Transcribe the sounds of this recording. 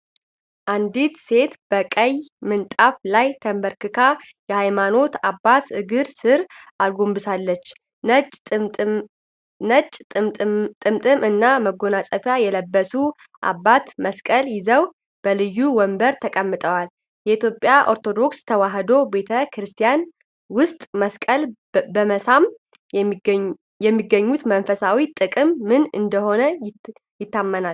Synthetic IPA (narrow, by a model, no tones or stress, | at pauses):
ʔand̪it̪se̞t̪b̥əkʼəjmɨnt̪ʼaflajt̪ʰəmbəɾkɨkʰa | jɛhajmano̞t̪abːat̪ɨɡɨɾsɨɾʔalɡo̞mbɨsalːət͡ʃːʼ | ət͡ʃʼ | t̪ʼɨmt̪ʼɨmɨnːaməɡo̞nasʼəfjajɛləbːəsu | ʔa̰bːat̪məskʼəljɪzəw | b̥əlɨjːuwɔmbəɾt̪ʰəkʼəmːɨt̪ʼəwal | jɛʔit̪jo̞pʼjaʔo̞̰ɾt̪ʰo̞d̪o̞kst̪ʰəwaɦd̪o̞be̞t̪ʰəkɾɨst̪ʰijan | wʊst̪ʼməskʼəl | bəməsam | jɛmːiɡəɲːut̪mənfəsawit̪ʼɨkʼɨmːɨnɨ̰nd̪əho̞nə | jɪt̪ːamːənal